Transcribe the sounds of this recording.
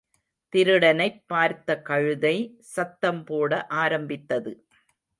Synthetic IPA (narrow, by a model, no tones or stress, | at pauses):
t̪ɪɾɯɽɐnɐɪpːaːɾt̪ɐkɐɻɯðɐɪ | sɐt̪ːɐmpoːɽɐʔaːɾɐmbɪt̪ːɐðɯ